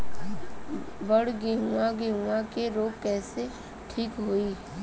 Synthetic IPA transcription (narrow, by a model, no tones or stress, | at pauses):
bəɽɡeɦuãɡeɦũãkeɾoːɡkɛːse | ʈʰiːkɦoːiː